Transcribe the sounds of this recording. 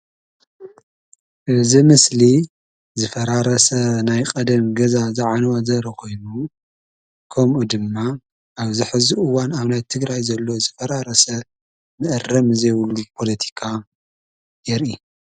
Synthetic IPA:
ʔɨzimɨsli | zɨfɐɾaɾɐsɐnajkʼɐd̪ɐmɡɐzazaʕanwazɐɾɐkʰo̞jnu | kʰɐmʔud̪ɨmːa | ʔaβzɨħɨzuʔɨwanaβnajt̪ʰɨɡɾajzɐlːo̞zɨfɐɾaɾɐsɐ | mɨʔɨrɐmɨzɐjwlːupʰo̞lɐt̪ʰi̥kʰa | jɛɾʔi

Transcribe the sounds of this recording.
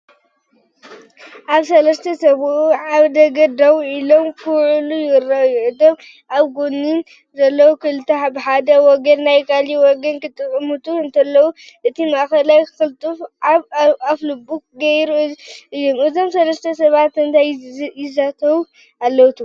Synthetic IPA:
ʔaβsɐlɐst̪ʰɐsɐβʕaβd̪ɐɡɐd̪awuilo̞mkʰɨwʕulujɪraʔjuʔɨd̪om | ʔaβɡonːin | zɐlːɐwukʰɨlɨt̪ʰːɐaβħad̪ɐwɔɡɐnːajkʰaliwɔɡɐnkɨt̪ʼɨkʼmut̪ʰuɨnt̪ʰɐlːɐwu | ʔɨt̪ʰimaʔxɐlajxɨlt̪ʼufaβaflɨbukɡɐjɾuʔɨjːomɨzo̞msɐlɐst̪ʰɐsɐβat̪ɨnt̪ʰajjɪzat̪ʰɐwu | alːɐwt̪ʰu

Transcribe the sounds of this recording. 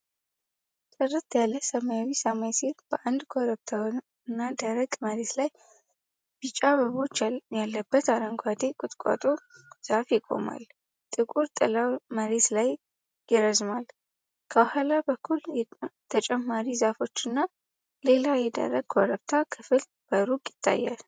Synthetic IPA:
t̪ʼɨrːɨt̪jalːəsəmajawisamajsiɾb̥əʔand̪kʰoɾəβt̪ʰa | nːad̪aɾəɡʼməɾe̞t̪laj | b̥ɨt͡ʃʼaβəβo̞t͡ʃːjalːəbːət̪aɾəŋɡʷad̪ekʼʊt̪ʼkʷʼa̰t̪ʼoz̥afjɪkʼo̞̰ma̰l | t̪ʼɨkʼuɾt̪ʼɨlaməɾe̞t̪laj | jɪɾəzmal | kʰəwahalabəkʰːuljt̪ʰət͡ʃʼɛmːaɾizafo̞t͡ʃːɨnːa | le̞lajɛd̪ə̰ɾəɡ̚kʰoɾəβt̪ʰakʰɨfɨl | b̥əɾukʼjɪt̪ʰːa̰jːa̰l

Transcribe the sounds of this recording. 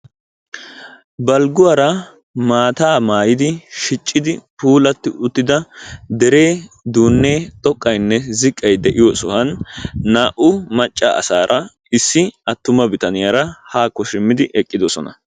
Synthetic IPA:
bɐlɡʊwɐɾɐ | maːt̪aːmaːjɪd̪ɪʃɪt͡ʃʼːɪd̪ɪpuːlɐt̪ːɪʔʊt̪ːɪd̪ɐd̪ɛɾe̞ː | d̪uːnːe̞ːt̪ʼɔkʼːɐjnːɛzɪkʼːɐjd̪ɛʔɪjɔsʊhɐnːaːʔʊmɐt͡ʃʼːa̰ɐ̰saːɾʔɐ | ɪsːɪɐt̪ːʊmɐbɪt̪ɐnɪjɐɾɐhaːkːɔʃɪmːɪd̪ɪʔɛkʼːɪd̪ɔsɔnɐ̰

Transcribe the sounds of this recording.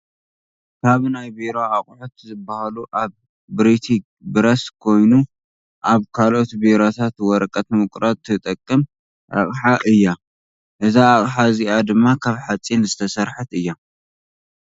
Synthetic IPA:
kʰaβnajbiɾoaχʼħut̪zɨbːahaluʔaβː | ɾit̪ʰi | bɨɾɐskʰo̞jnu | ʔaβkʰalʔot̪biɾot̪ʰat̪wɔɾkʼɐt̪mɨkʼɾat̪ʰːɨt̪ʼɐkʼːɨm | ʔa̰χʼħaʔɨjːa | ʔɨzaːχʼħaziad̪ɨmːakʰaβħat͡sʼinzɨt̪ʰɐsɐɾħɨt̪ɨjːa

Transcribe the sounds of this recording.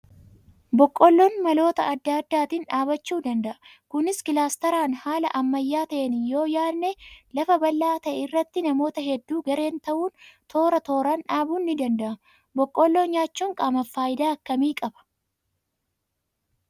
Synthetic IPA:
bɔkʼːɔlːoːnmɐlo̞ːt̪ɐɐd̪ːɐd̪ːaːt̪inᶑaːbɐt͡ʃːuːd̪ɐnd̪ɐʔɐ̥ | kʊnɪskɪlaːst̪ɐɾaːnhaːlɐʔɐmːɐjːaːt̪ɐʔenjo̞ːjaːnːelɐfɐbɐlːaːt̪ɐʔɛɪrːɐt̪ːɪnɐmo̞ːt̪ɐɦɛd̪ːuːɡɐɾe̞ːnt̪ɐʔuːnt̪ʰo̞ːɾɐt̪o̞ːɾɐnᶑaːbuːnːɪd̪ɐnd̪ɐʔɐ | bɔkʼːɔlːoːɲaːt͡ʃːuːŋkʼaːmɐfːaːjɪd̪aːɐkːɐmiːkʼɐbɐ̥

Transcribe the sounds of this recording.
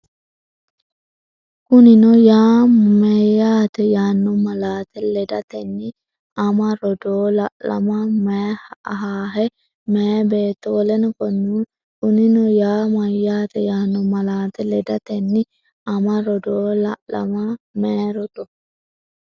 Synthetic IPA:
kʊnɪnɔjaːmɐjaːt̪ɛjaːnːɔmɐlaːt̪ɛlɛd̪ɐt̪ɛnːɪ | ɐmɐɾɔd̪oːlɐʔlɐ̰mɐmehɦaːɦɛ | meːbeːt̪ːolɛnkɔnːu | kʊnɪnɔjaːmɐjːaːt̪ɛjaːnːɔmɐlaːt̪ɛlɛd̪ɐt̪ɛnːɪ | ɐmɐɾɔd̪oːlɐʔlɐ̰mɐmeːɾɔt̪ʼɔ

